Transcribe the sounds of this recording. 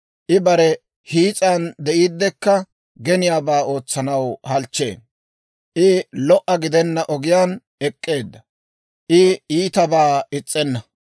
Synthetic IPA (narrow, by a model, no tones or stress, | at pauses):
ʔɪbɐɾɛ | hiːt͡sʼand̪ɛʔiːd̪ːɛkːɐ | ɡɛnɪjaːbaːo̞ːt͡sːɐnɐwhɐlt͡ʃːḛːn | ʔɪlɔʔɐɡɪd̪ɛnːɐʔɔɡɪjaːn | ɛkʼːe̞ːd̪ːɐ | ʔɪiːt̪ɐbaːɪt͡sʼːɛnːɐ